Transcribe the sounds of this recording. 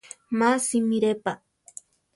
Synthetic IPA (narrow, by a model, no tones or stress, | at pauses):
masimiɾepa